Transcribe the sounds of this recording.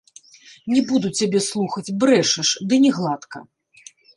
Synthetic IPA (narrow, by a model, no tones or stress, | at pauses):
nʲɛbud̪ut͡sʲːabʲɛslˠuxɐt͡sʲbɾɛʂɛʂd̪ɨnʲɛɣlˠat̪kɐ̰